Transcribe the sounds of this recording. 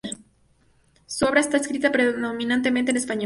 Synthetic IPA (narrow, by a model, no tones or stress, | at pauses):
suoβɾaest̪aeskɾit̪apɾeððo̞mĩnãnt̪̬e̞mẽnt̪enespaɲo